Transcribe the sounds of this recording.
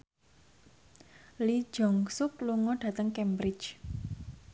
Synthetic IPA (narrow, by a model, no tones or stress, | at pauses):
li̥d͡ʒɔŋsʊk̚luŋɔɖ̥ä̤t̪əŋkɛmbɾɪ̥t͡ʃ